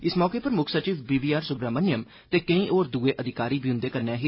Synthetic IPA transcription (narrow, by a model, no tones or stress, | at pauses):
ɪsmɔːkeːpəɾmʊkʰsət͡ʃiːbiːbiːaːɾsʊɡɾaːmənjəm | t̪eːkəĩːʔoːɾd̪uːeːʔəd̪ɪkaːɾiːbiːʊ̃nd̪eːkəɾnãːɦi